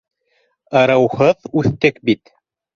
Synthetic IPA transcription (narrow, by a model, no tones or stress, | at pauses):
ɤ̆ɾɤ̆whɤðʉθt̪ɘkbit̪